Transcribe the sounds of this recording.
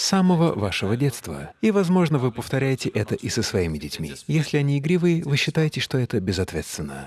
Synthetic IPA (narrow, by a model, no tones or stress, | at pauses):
saməvəvaʂɨvədʲet̪st̪və̰ivɐzmo̞ʐnəvɨpəft̪ɐɾʲæjɪtʲɪʔɛt̪əʔɪsəsvɐimʲɪdʲɪtʲmʲḭjesʲlʲɪɐnʲiɪɡɾʲivɨjɪvɨɕːɪt̪ajɪtʲɪʂt̪o̞ɛt̪əbʲɪzɐt̪vʲet̪st̪vʲɪnːə̰